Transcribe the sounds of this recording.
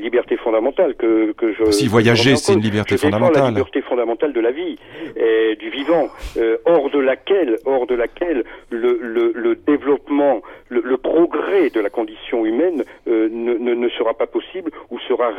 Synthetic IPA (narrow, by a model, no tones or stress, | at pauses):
nlibɛʁt̪efɔ̃d̪amɑ̃t̪alkəkəʒəsivwajaʒesnlibɛʁʒeəfʁed̪aɔ̃lalilbɛʁt̪efɔ̃d̪amɑ̃t̪ald̪əlavi | d̪yvivɑ̃øɔʁd̪əlakʲɛlɔʁd̪əlakʲɛlːələləd̪evlɔpmɑ̃lələpχɔɡʁɛd̪əlakɔ̃d̪isjɔ̃ymɛnønənənəsəʁapapɔsiblusəʁa